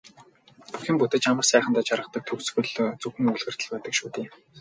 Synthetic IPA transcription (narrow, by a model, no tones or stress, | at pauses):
puxʲĭːmput̪ĕt͡ɕamə̆rsæːχə̆nt̪æːt͡ɕaɾʁə̆χt̪ə̆k̚t̪ʰɵksxɵ̆ɮt͡sɵxɘ̆ŋuɮxɘ̆rt̪ə̆ɮpæːt̪ə̆kʃuːt̪eː